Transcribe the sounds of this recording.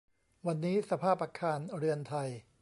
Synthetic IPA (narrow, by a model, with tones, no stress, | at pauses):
wa˧nːiː˦˥sa˧pʰaː˥˩p̚ʔaː˧kʰaː˧nɾɯ˧ənt̪ʰa˧j